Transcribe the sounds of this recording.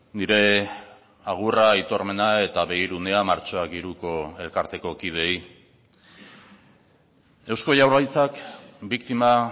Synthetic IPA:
niɾe̞ | aɣ̞urait̪o̞ɾme̞nae̞t̪aβe̞ɣiɾune̞amaɾt͡ʃo̞akɡiɾuko̞e̞lkaɾt̪e̞ko̞kið̞e̞j | ewsko̞jawrajt͡sakbikt̪ima

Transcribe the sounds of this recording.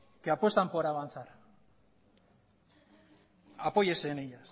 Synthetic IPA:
keapwe̞st̪ampoɾaβant͡saɾ | apojesenejas

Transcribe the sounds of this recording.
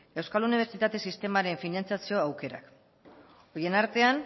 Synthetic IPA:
e̞wskaluniβe̞ɾt͡sit̪at̪e̞sist̪e̞maɾe̞ɱfinant͡sjasio̞awke̞ɾa̰k | o̞je̞naɾt̪e̞an

